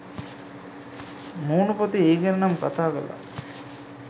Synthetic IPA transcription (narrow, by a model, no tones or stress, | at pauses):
muːnupot̪ieːɡenɐnamkat̪aːɡa̰la̰